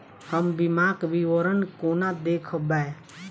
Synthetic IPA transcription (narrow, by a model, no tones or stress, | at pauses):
həmbɪmaːkʋiʋəɾənkoːnad̪eːkʰəbɛe